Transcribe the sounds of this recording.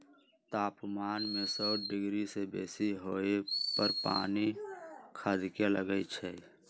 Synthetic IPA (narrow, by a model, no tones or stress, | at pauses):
t̪aːpmaːnmesɔːɖɪɡɾisebeːsiɦoepəɾpa̰ːnikʰəd̪ʱkeləɡəit͡ʃʰɛ